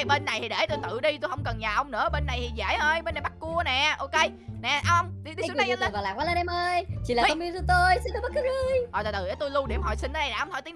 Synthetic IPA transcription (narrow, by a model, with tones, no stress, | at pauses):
ɓe˧nːa˨˩jt̪ʰi˨˩ɗe˧˩t̪o˧jt̪ɨ̰˧˨ɗi˧t̪o˧jhə˧wŋ͡mkə˨˩nɲaː˨˩ʔə˧wŋ͡mnɨ̰˧˥əɓe˧nːa˨˩jt̪ʰi˨˩zə̰˧˥jʔəː˧jɓe˧nːa˨˩ɓa˦˥k̚ku˧ənɛ˨˩ʔo˧ke˧j | nɛ˨˩ʔa˧ə˧wŋ͡mi˧i˧˦˧a˨˦˨aː˨˩laː˨˩waː˨˦la˧nɛ˧mʔəː˧jt͡ɕḭ˨la˨˦˧mi˧zu˨˧˦t̪o˧jsi˧nɗo˧˦ɓ̚kɨ˨˦ɨ˧jɔ˨˩aː˨˩t̪ɨ˨˩ʔə˨˦jt̪o˧jlu˧ɗḭ˧˩əmɦɔ˨˩jsi˧nʔəː˧˦na˨˩jaː˨˧˩ŋ͡mt̪ʰt̪i˨˦